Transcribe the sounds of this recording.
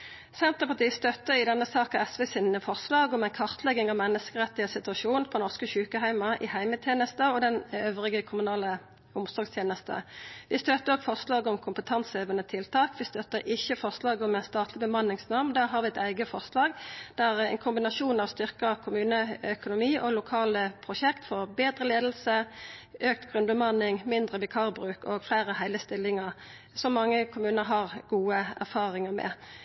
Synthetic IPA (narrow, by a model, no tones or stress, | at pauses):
sɛnt̪ʁəpɑt̪iːst̪œt̪ːəʁɪd̪ɛnːəsɑːkɑɛsʋeːsiːnfɔʁslɑːɡɔmæɪnkʰɑʁt̪ʰlɛɡːɪŋɑʋmɛnːəskəʁɛt̪ɪəsɪt̪ʉɑʃuːnpʰɔnɔʁskəçʉːkəɦæɪmɑʔɪhæɪmət̪ʰjeːnəst̪əɔd̪ɛnøːʋʁɪɡəkʰʊmʉnɑːlə | ʊmsɔʁɡst̪ʰjeːnəst̪ə̰ʋɪst̪øːt̪əʁɔɡfɔʁslɑːɡəɔmkʰʊmpət̪ʰɑnseːʋənət̪ʰɪlt̪ʰɑːkʋɪst̪œt̪əʁʔɪçːəfɔʁslɑːɡəɔmæɪnst̪ɑːt̪lɪbəmɑnːɪŋsnɑʁmnd̪æːʁɦɑːʁʋɪɛt̪æɪɡəfɔʁslɑːɡd̪̥æʁɛ̰ɪnkʰʊmbɪnɑʃuːnɑʋst̪ʏʁkəkʰʊmʉːnəœkʊnʊmiːʔɔlʊkʰɑːləpʰʁʊʃɛkt̪fɔʁbeːd̪ʁəleːd̪l̩səʔøːk̚t̪ɡ̥ʁʉnbəmɑnɪŋmɪnd̪ʁəʋɪkʰɑʁbʁʉːkɔɡflæɪʁəhæɪləst̪ɪlːɪŋəʁ | sɔmːɑŋːəkʰʊmʉːnəɾɦɑʁɡuːəæʁfɑːʁɪŋəʁmɛ̰